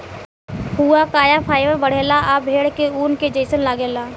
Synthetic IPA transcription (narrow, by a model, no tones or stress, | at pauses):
ɦuakaːjapʰaːɪʋəɾbəɽ̤eːlaʔabʱeːɽkeuːnked͡ʒəɪsənlaːɡeːlaː